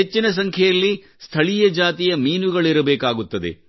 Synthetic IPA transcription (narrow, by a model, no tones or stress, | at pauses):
et͡ʃːinɐs̬ɐŋkʰjɛjɐlːi | st̪ʰɐɭijɐd͡ʒaːt̪ijɐmiːnuɡɐɭiɾɐbɛːkaːɡut̪ːɐd̪ḛ